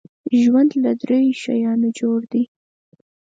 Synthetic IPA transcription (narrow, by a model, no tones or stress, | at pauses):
ʒwand̪lad̪ɾejʃa̰jɑnod͡ʒoɽd̪i